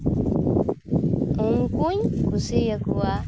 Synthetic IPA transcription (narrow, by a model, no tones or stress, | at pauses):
uŋkuɲkusijakuwa